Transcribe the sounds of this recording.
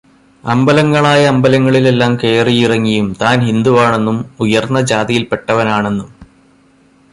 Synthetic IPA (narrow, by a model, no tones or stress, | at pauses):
ɐmbɐlɐŋːɐɭaːjɐɐmbɐlɐŋːɐɭile̞lːaːmke̞ːrijirɐŋːijumt̪aːnhind̪uʋaːɳe̞nːumujɐrnːɐd͡ʑaːd̪ijilpe̞ʈːɐʋɐnaːɳe̞nːum